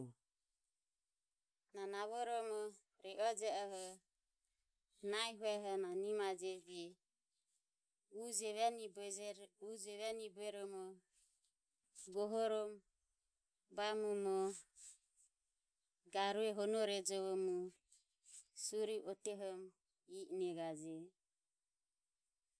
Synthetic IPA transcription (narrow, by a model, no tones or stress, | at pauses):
nanaβɔɾɔmɔ | ɾɛʔɔd͡ʒɛɔɦɔ | naiɦuɛɦɔnanimad͡ʒɛbɛ | ud͡ʒɛβɛnibɛud͡ʒɛβɛnibɛɾɔmɔ | ɡɔɦɔɾɔm | bamumɔ | ɡaɾuɛɦɔnɔɾɛd͡ʒɔβɔmɔ | suɾiʔɔt̪ɛɦɔm | iʔnɛɡad͡ʒɛ